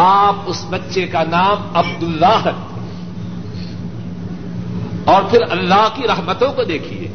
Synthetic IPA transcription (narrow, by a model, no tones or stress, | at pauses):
aːp̚ʊsbɐtːʃekanaːmɐb̚d̪ʊlːaːɦɾɐk̚ʰt̪eɦ | ɔːɾpʰɪɾɐlːaːɦkiɾɐɦmət̪õkod̪eːkʰiḛː